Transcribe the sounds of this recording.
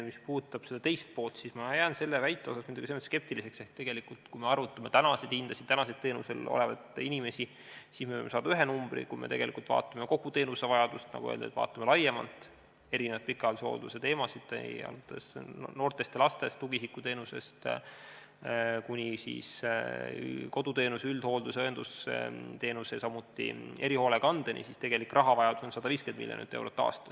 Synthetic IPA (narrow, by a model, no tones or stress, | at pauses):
mispuːt̪ːˑɑb̥se̞d̪̥ɑt̪e̞jst̪̚po̞ːlt̪sismɑjæːnse̞lːevæjt̪ːˑe̞o̞sɑsmid̪uɡ̥isemot̪ske̞p̚t̪ilise̞kse̞hk̚t̪e̞ɡ̥e̞likult̪kujme̞ɑrvut̪ːˑɑme̞t̪ænɑsed̪ind̪̥ɑsit̪t̪ænɑsed̪t̪e̞ːnuselo̰le̞vɑ̰d̪inʲime̞si | siːsmeemesɑːd̪ɑyɦe̞numb̥rḭkujmḛt̪e̞ɡ̥e̞likult̪vɑ̰ːt̪ːˑɑmeko̞ɡ̥ut̪e̞ːnusevɑjɑd̪ust̪nɑ̰ɡuḛːld̪ḛt̪vɑ̰ːt̪ːˑɑme̞lɑjemɑ̰lt̪ˑ | e̞ɾinevɑt̪̚pikːˑɑlusho̰ːld̪use̞t̪e̞ːmɑsid̪̥ḛjɑ̰lut̪ːesno̞ːrt̪e̞st̪elɑst̪est̪uɡisikːˑut̪e̞ːnuse̞̰st̪ | kunʲisḭːs | ko̞d̪ut̪e̞ːnuseyld̪̥ho̞ːld̪useoend̪̥usḛt̪e̞ːnusesɑmːut̪ˑːḭe̞ɾiho̞ːleɡɑnd̪̥enʲʔḭsist̪e̞ɡ̥e̞likːrʔɑɦɑvɑjɑd̪̥u̥sonsɑd̪ɑviːskend̪mḭlʲjonḭt̪ːˑewɾot̪ːɑ̰ːst̪ɑ̥s